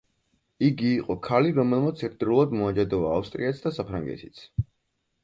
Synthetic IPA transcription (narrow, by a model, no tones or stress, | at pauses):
iɡiːqʼɔkʰaliɾɔmɛlˠmat̪sʰɛɾt̪̚ʰd̪ɾulˠad̪mɔad͡ʒad̪ɔvaːfst̪ʼɾiat̪sʰd̪asapʰɾaŋɡɛ̰t̪ʰi̥t̪sʰ